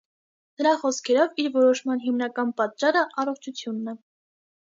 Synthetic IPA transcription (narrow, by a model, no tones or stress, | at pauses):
nəɾɑχɔskʰɛɾɔviɾvɔɾɔʃmɑnɦimnɑkɑnpɑt̪̚t͡ʃɑɾəʔɑrɔχt͡ʃʰut͡sʰjunːɛ